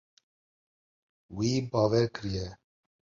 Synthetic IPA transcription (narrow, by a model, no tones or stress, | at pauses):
wiːbɑːwɛɾkɨɾijɛ